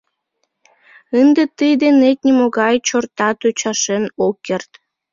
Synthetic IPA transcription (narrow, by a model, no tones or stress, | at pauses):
ənd̪et̪əjd̪enet̪̚nʲimoɣɑjt͡ɕort̪ɑt̪øt͡ɕɑʃenokːert̪